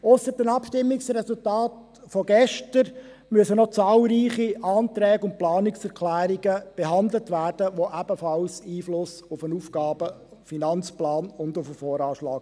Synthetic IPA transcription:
ʊsəɾdənɑpʃtɪmːɪksrɛsʊltaːt | fɔɡɛʃtəɾ | myəsənɔt͡sɑːlˠɾiːχiʔɑːntɾɛːɡʊnt̚plɑːnɪksɛɾkʰlæːɾiɡəb̥ɛɦɑnd̪lətʋæːɾd̥əʋoʔæb̥əfɑlsiːflʊsʊfənuːfɡɑːb̥ə | finɑnt͡splɑːnʊndʊfəfɔːɾɑːʃlɑːɡ̥

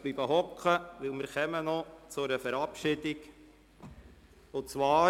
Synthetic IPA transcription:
b̥liːb̥əɦɔkχəʋɪlmɪːɾχɛmənɔt͡sʊɾəfəɾɑpʃɪdɪk | ʊt͡sʋɑː

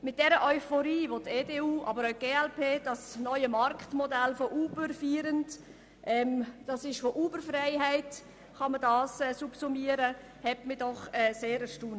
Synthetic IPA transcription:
mɪt̚d̥ɛɾəʔœʏfɔɾiːvoteːdeːuːʔɑbəɾaʊɡ̥eːɛlpʰeːd̥ɑsnɔʏəmɑɾktmɔdælfoʔuːbəɾfyːɾənt | ʔɛːmd̥ɑsɪʃfoʔuːbəɾfɾaɪɦɛɪt | χɑmədɑːsɛsupsumiəɾə | hɛtmədɔχɛːseːɾəʃtuːn

